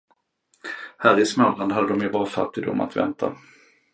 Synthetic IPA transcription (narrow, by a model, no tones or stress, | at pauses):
hæːɾɪsmœland̪ɦad̪əd̪ɔmjɵbɑːɾafa̰t̪ːɪd̪ʊ̰mːa̰t̪vɛ̰nt̪ʰa̰